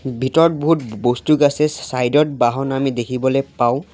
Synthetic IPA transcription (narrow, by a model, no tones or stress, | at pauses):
bʱitɔɹɔt̚boɦutbostuɡasɛssajdɔt̚baɦɔnamidekʰibɔlɛpaʊ̃